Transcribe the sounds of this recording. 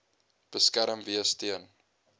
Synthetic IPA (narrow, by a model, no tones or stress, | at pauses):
b̥əskæɾəmviəstiən